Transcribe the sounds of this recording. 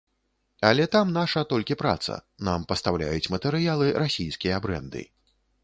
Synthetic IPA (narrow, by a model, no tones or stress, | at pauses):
ɐlʲɛt̪amnaʂɐt̪ɔlʲkʲipɾa̰t̪sɐ̰nampɐst̪awlʲa̰jut͡sʲmɐt̪ɛɾɨjalˠɨɾasʲijskʲijɐbɾɛ̰nd̪ɨ̰